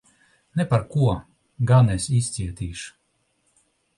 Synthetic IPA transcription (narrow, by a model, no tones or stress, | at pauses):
nɛpaɾkuɔ | ɡanɛsist̪siɛt̪iːʃu̥